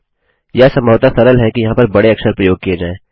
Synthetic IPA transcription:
jɛsɐmɔːt̪asɐɾəlɦɛkijɐɦãpɐɾbɐɽeɐksəɾpɾɐjoːɡ̚kied͡ʒaːeː

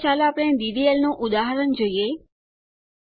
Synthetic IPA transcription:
t͡ʃalapɽ̃ẽd̪iʋielnõʔud̪aɦəɾənd͡ʒoije

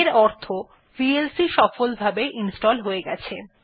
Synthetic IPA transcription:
ɾɔɾt̪ʰo | pielsiʃɔfolbʱabeʔinsʈɔlɦoeɡɛ̰t͡ɕʰe

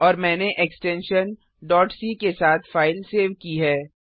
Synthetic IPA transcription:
ɔːɾmɛ̃ːneʔeksʈɛ̃nʃən | ɖɔːʈsiːkesaːt̪ʰfaːɪlseːʋkiɦɛː

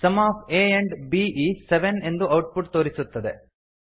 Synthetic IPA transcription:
sɐmaːpʰeːeɳɖbiːiseʋene̞nd̪uɐwʈ̚puʈt̪o̞ːɾisut̪ːɐd̪e

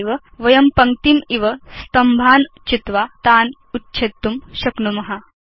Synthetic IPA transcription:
iʋə | ʋɐjɐmpɐŋt̪imiʋəst̪ɐmbʱaːnt͡ʃit̪ʋat̪aːn | utːɕʰet̪ːumɕɐknumɐɦa

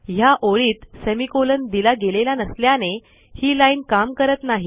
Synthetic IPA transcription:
ɦjaʔoɭiːt̪semikolənd̪ilaɡelelanəsljane | hiːlainkamkəɾət̪naɦi

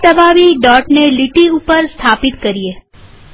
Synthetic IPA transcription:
t̪əbaʋiɖɔʈneliʈiupəɾst̪ʰapit̪kəɾije

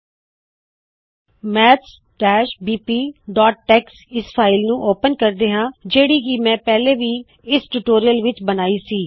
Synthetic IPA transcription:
mɛːts | ʈɛːʃbiːpiːɖɔːʈ̚ːɛːksɪspʰaːɪlnũːʔoːpənkəɾd̪eːɦãːd͡ʒeːɽiːɡiːmɛ̃ːpɛːleːʋiː | ɪsʈuːʈoːɾiəlʋɪt͡ʃbənaːiːsiː

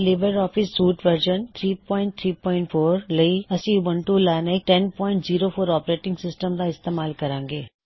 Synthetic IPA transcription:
leːbəɾɔːfɪsːuːʈʋəɾʃənt̪ʰɾiːpɔːɪ̃ɳʈ̚t̪ʰɾiːpɔ̃ːɪ̃ɳʈfʰoːɾlɐiɐsĩʋɐ̃ɳʈulaːnek̚ʈɛnpɔːɪ̃ɳʈziːɾofʰoːɾɔːpɾeːʈɪ̃ŋɡsɪsʈəmd̪aɪst̪eːmaːlkɐɾãːŋɡeː

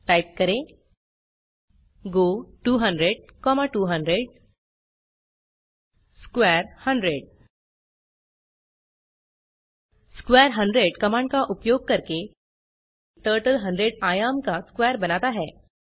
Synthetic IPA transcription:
ʈajp̚kəɾe | ɡoʈuːɦəɳɖɾeɽkɔmaʈuːɦəɳɖɾeɽ | skʋɛɾhəɳɖɾeɽ | skʋɛɾɦə̃ɳɖɾeɽkəmãɳkaʔupjoɡ̚kəɾke | ʈəɾʈəlɦəɳɖɾeɽajamkaskʋɛəɾbənat̪aɦɛ

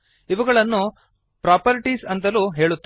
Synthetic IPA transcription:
iʋɐɡɐɭɐnːu | pɾaːpɐɾiʈisɐnt̪ɐluːɦe̞ːɭut̪ː

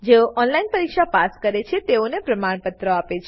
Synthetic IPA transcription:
d͡ʒeoʔɔnlainpəɾikʃapaskəɾet͡ʃʰet̪eonepɾəmaɽ̃pət̪ɾəapet͡ʃʰ

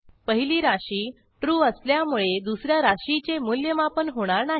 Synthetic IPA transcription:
pəɦiliːɾaɕiː | ʈɾuːəsljamuɭed̪usɾjaɾaɕit͡semuljəmapənɦoɽ̃aɾnaɦ

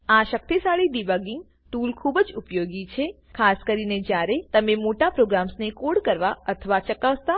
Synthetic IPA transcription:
aʃək̚t̪isaɭiɖibaɡiŋɡ | ʈulkʰubəd͡ʒupjoɡit͡ʃʰe | kʰaskəɾined͡ʒjaɾet̪əmemoʈapɾoɡɾamsnekoɽkəɾʋaət̪ʰəʋat͡ʃəkaʋt̪a

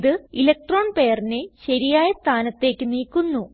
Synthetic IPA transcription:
ðɨilɐk̚ʈro̞ːɳpe̞ːjɐrineɕɐɾijaːjɐst̪ʰaːnɐt̪ːe̞ːkːɨniːkːunːu

